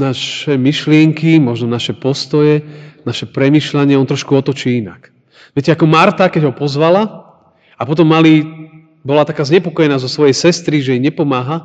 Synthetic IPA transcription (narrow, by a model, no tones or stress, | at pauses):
naʃɛmiʃlɪɛŋkimɔʒnɔnaʃɛpɔst̪ɔjɛnaʃɛpɾɛmiːʃlaɲɪɛɔnt̪ɾɔʃkuɔt̪ɔt͡ʃiːina̰k | ʋɛcɛakɔmaɾt̪akɛɟɦɔpɔzʋala | apɔt̪̬ɔmːali | bɔlat̪akaːzɲɛpɔkɔjɛnaːzɔsʋɔjɛjsɛst̪ɾiʒɛjiɲɛpɔmaːɦa